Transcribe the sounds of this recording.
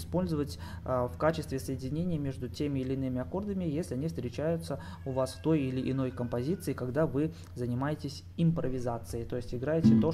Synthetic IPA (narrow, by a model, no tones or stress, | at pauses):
spo̞lʲzəvətʲ | fkat͡ɕɪst̪vʲɪsəjɪdʲɪnʲenʲɪjəmʲeʐd̪ʊtʲemʲɪːlʲɪnɨmʲɪɐko̞rd̪əmʲɪjesʲlʲɪɐnʲifst̪ɾʲɪt͡ɕæjʊt̪sə | ʊvasft̪o̞jilʲɪʔɪno̞jkəmpɐzʲit̪sɨɪkɐɡd̪avɨ | zənʲɪmajɪtʲɪsʲ | ɪmpɾəvʲɪzat̪sɨjət̪o̞jɪsʲtʲɪɡɾajɪtʲɪt̪o